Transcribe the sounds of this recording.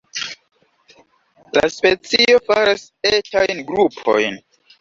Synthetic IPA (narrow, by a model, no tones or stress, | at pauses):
la̰spet͡sio̞faɾas | etajnɡɾupʰo̰jn